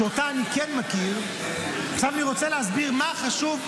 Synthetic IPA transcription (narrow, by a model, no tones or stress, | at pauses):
otaːnikenmakiʁ | ʃavaniʁo̞t͡seleasbiʁmaχaʃuv